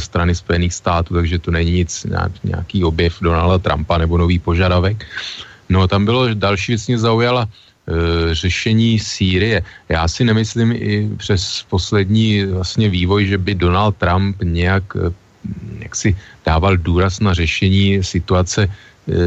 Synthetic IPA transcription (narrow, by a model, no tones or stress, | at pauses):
st̪ɾanɪspo̞jɛniːxst̪aːt̪uːt̪aɡʒɛt̪onɛɲiɲɪt͡sɲa̰ːɲɛ̰ja̰kiːo̞bjɛfdonaldat̪ɾa̰mpanɛbo̞no̞viːpo̞ʒadavɛkno̞t̪ambɪlo̞dalʃ̬iːvjɛt͡smɛzaujala | r̝ɛʃɛɲiːsiːɾɪjɛjaːsɪnɛmɪslɪmʔɪpr̝̥ɛspo̞slɛdɲiːvlastɲɛviːvo̞jʒɛbɪdo̞nalt̪̚t̪ːɾampɲɛjak | ja̰ksɪd̥aːvalduːɾasnar̝ɛʃɛɲiːsɪt̪uat͡sɛ